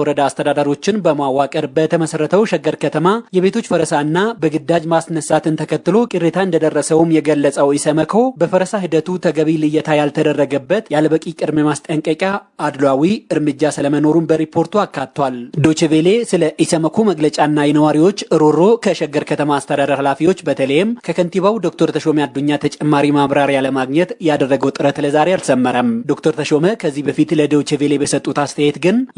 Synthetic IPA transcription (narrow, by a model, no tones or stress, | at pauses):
wɔɾəd̪aːst̪ʰəd̪ad̪aɾio̞t͡ʃːɪnbəmawakʼəɾbət̪ʰəməsəɾːət̪ʰəwʃɛɡəɾkʰət̪ʰəmajɛβe̞t̪ʰot͡ʃːfəɾəsaɨnːabəɡɨd̪ːad͡ʒmasnəsat̪ʰɨnt̪ʰəkʰət̪ːɨlo̞kʼɨrːet̪ʰaɨnd̪əd̪ərːəsəwmjɛɡəlːəsʼəwisəməkʰo̞bəfəɾəsaɦɨd̪ət̪ʰut̪ʰəɡəβilɨjɛt̪ʰajalt̪ʰəd̪ərːəɡəbːət̪jalbəkʼikʼɨd̪memast̪ʼəŋkʼəkʼjaːd̪lawiɨɾmɨd͡ʒːasɨləməno̞ɾunbəɾipʰːo̞ɾt̪uakːat̪t̪ːwald̪o̞t͡ʃevele̞sɨləʔisəməkʰuməɡlət͡ʃʼanːajɛnəwaɾiwo̞t͡ʃːɨɾuɾo̞kʰəʃɛɡɨɾkʰət̪ʰəmaːst̪ʰəd̪ad̪əɾhalafiwo̞t͡ʃːbət̪ʰələjɛmkʰəkʰənt̪iβawd̪o̞kt̪ʰoɾt̪ʰəʃo̞mead̪ːuɲːat̪ʰət͡ʃʼɛmːaɾimaβɾaɾjaləmaɡɲɛt̪jɛad̪ərːəɡəwt̪ʼɨɾət̪ləzaɾealsəmːəɾəmd̪o̞kt̪ʰoɾt̪ʰəʃo̞məkʰəzːihbəfit̪ləd̪o̞t͡ʃevele̞bəsət̪ʼːut̪ast̪ʰəjet̪ɡɨn